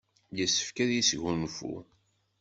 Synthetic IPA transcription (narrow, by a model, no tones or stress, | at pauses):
jəsːə̥fkæðjisʝunfṵ